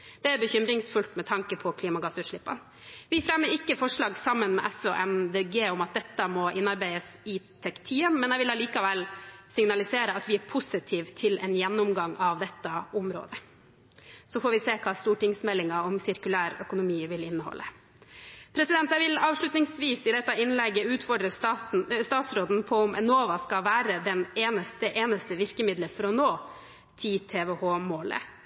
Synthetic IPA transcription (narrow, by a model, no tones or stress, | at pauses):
d̪̥ɛæɾbəçʏmɾɪŋsfʉlt̪mɛt̪ʰɑŋkəpʰɔkʰliːmɑɡɑsʉːt̪ʂɭɪpːə̰n | ʋɪfɾɛmːəɾɪkːəfɔʂɭɑːɡsɑmːənmɛ̰ʔɛsɔʔɛmd̪eːɡeːɔmɑt̪̚d̪ɛt̪ːəmɔʔɪnːɑɾbæɪəsɪt̪ʰɛkt̪ʰiːənmɛnæɪʋɪlɑliːkɑʋɛlsɪŋnɑlɪseːɾəɑt̪ʋɪæɾpʰʊsɪt̪ʰiːʋt̪ʰɪlɛnjɛnːʊmɡɑŋʔɑʋd̪ɛt̪ːɑʊmɾo̰ːd̪ə | sɔfɔɾʋɪseːkʰɑːst̪uːʈɪŋsmɛlːɪŋɑɔmsɪɾkʉlæːɾœ̰kʊnʊmiːʋɪlɪnːəhɔ̰lːə | pʰɾɛsɪd̪ɛnt̪æʋɪlɑːʋʂɭʉt̪nɪŋsʋiːsɪd̪ɛt̪ːɑɪnlɛɡːəʉːt̪fɔɖɾəst̪ɑːn̩st̪ɑːt̪sɾoːd̪n̩pʰɔʊmɛ̰noːʋɑskɑʋæːɾəd̪ɛneːnəst̪əʔeːnəst̪əʋɪɾkəmɪd̪ləfɾɔnoː | t̪ʰɪt̪ʰeːʋɛhoːmoːlə̰